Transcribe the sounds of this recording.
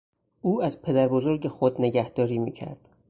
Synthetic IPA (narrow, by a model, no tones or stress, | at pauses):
uːæzpʰe̞d̪æɾbo̞zo̞ɾɟe̞xod̪ne̞ɟæhd̪̥ɒːɾiːmiːcʰæ̰ɾd̪̥